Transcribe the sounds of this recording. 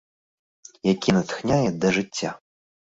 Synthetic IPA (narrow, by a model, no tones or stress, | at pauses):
jakʲinɐt̪xnʲajɛd̪ɐʐɨt͡sʲːa